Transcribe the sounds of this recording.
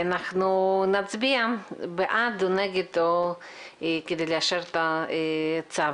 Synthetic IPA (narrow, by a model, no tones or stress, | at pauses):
anaχnunat͡sbiambeʔad̪oneɡet̪o | eked̪elaʃeɾt̪aet͡sa